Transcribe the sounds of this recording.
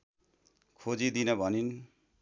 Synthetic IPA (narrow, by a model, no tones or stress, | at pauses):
kʰod͡zid̪inʌbʱʌnin